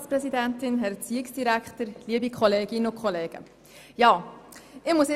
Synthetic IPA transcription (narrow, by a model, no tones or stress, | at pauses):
spɾɛsidæntɪnɦɛɾɛt͡siɪksd̥iɾækχtəɾliəbikχɔleːɡ̥ɪnəʊkʰχɔleːɡ̥ə̰ | jɑːɪχmusɪ